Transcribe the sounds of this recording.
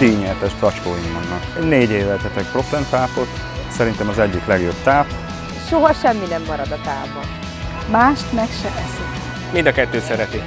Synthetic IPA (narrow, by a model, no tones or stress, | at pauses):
t̪iːɲɛt̪ɛʃt̪ɒt͡ʃkoːjimːɒnːɒkneːɟeːvɛlt̪ɛt̪ɛk̚pro̞klɛnt̪aːpo̞t̪ | sɛɾint̪ɛmɒzɛɟːiklɛɡjo̞bt̪aːp | ʃoɦɒʃɛmːinɛmːɒɾɒd̪ɒt̪aːbon | maːʃt̪mɛkʃɛbɛsik | mind̪ɒkɛt̪ːøːsɛɾɛt̪i